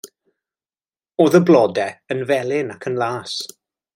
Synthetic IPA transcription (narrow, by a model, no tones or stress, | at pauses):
oːðəblˠɔdɛənvɛlˠɪnakʰənlˠaːs